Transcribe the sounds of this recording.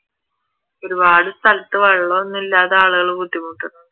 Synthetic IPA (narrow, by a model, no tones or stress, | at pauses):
o̞ɾubaːɽɨst̪ɐlɐt̪ːɨʋɐɭːonːilːaːðeaːɭuɣɐɭukut̪ːimuːʈːɐnːɐ